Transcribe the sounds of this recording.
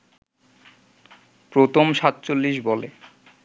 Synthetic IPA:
pɾot̪ʰomʃat̪ːt͡ɕolːiʃbɔle

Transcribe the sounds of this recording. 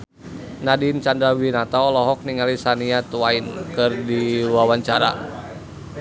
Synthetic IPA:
nadint͡ʃandɾawinat̪aɔlɔɦɔk̚niŋalisaniat̪wainkɨrdiwawaɲt͡ʃaɾa̰

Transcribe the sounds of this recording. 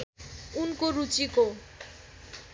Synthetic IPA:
unkoɾut͡ʃiko

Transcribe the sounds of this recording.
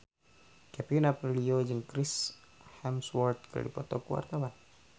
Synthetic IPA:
kɛpinapriliod͡ʒɨŋkɾɪs | hɛmswɔrt̪̚kəɾa̰dḭpɔt̪ɔkəwa̰rt̪awan

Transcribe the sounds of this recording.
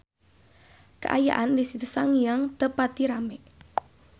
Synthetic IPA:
kə̰ʔa̰ja̰ʔandisit̪usaŋijaŋt̪əpat̪iɾameʔ

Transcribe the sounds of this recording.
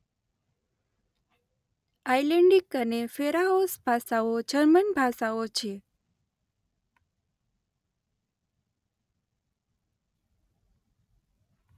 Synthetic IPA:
ajleɳɖikənefeɾaɦosbʱasaod͡ʒəɾmənbʱasaot͡ʃʰe

